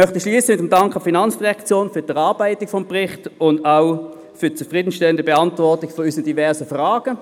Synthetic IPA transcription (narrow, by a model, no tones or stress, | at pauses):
mœχtəʃliːəsəmɪtəmdɑŋkχɑfinɑnt͡sd̥iʁɛkt͡sjoːnfyːɐd̥ɛʁɑːɐb̥aɪtɪkfɔmpʁɪχtʊndaʊ | fyt͡sufʁiːdən̩ʃtɛləndəbɛɑntvɔʁtɪɡfɔyːsəd̥ivɛɐʁsəfʁaːɡ̥ə